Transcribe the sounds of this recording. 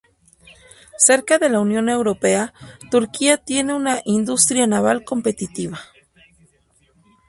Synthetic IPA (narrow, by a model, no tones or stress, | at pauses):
se̞ɾkaðe̞launjo̞ne̞wɾo̞peat̪uɾkiat̪je̞neunaʔind̪ust̪ɾjanaβalko̞mpe̞t̪it̪iβa